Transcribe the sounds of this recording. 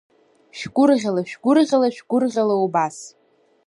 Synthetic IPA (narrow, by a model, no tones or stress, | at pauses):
ʃᶣɡʷʊrʁʲalaʃᶣɡʷʊrʁʲalaʃᶣɡ̥ʷʊrʁʲalaubas